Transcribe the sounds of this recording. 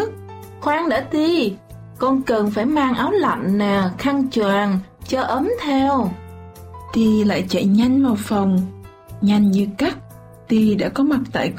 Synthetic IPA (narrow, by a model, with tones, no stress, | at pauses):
xwaː˨˦˥ŋɗa̰ː˧˥t̪i˧ | kɔ˧nkɨ˨˩nfaː˧˩jmaː˧ŋʔaː˨˦wla̰˧˨ŋnaː˨˩xa˧ŋt͡ɕwaː˧˨˩nt͡ɕɔ˧ʔəː˨˦mt̪ʰɛ˧w | t̪i˧la̰ː˧˨jt͡ɕa̰˧˨jɲa˧jŋ̟ma˨˩wfə˨˩wŋ͡m | ɲa˧jŋ̟ɲɨ˧ka˦˥k̚ | t̪i˧ɗa̰ː˧˥kɔ˨˦ma˨˩t̚t̪a̰ː˧˨j